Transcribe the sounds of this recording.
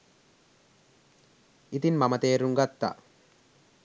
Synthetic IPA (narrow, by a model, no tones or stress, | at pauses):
it̪inmamɐt̪eːɾuŋɡat̪ːa̰